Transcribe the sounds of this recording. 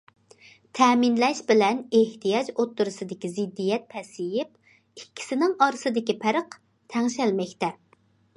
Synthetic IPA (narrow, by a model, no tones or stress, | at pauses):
t̪ʰɛminlɛʃbɪlɛneht̪ijɑd͡ʒot̪ːuɾɨsɨd̪ɪkʲizɪd̪ːijɛt̪̚pʰɛsɪjɪp | ikʲʰːi̥sɪnɪŋɑɾɨsɨd̪ɪkʲipʰæɾəq | t̪ʰɛŋʃɛlmɛkʲt̪ɛ